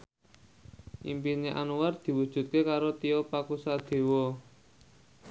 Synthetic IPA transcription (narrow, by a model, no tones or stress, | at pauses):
ʔimpineʔa̰nuward̪̥i̤wud̥ʒ̥ṳt̪̚kekaɾot̪iɔpakusad̪̥e̤wɔ